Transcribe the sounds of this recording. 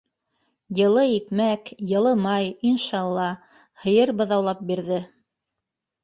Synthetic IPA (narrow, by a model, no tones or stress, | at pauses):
jɤ̆lˠɤikmækjɤ̆lˠɤmɑjinʃɑɑlˠːɑ | hɤ̆jɤɾbɤ̆ðɑwlˠɑp̚biɾðɘ